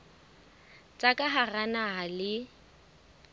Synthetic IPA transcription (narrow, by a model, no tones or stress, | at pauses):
t͡sʼakʼaɦaranaɦalɪ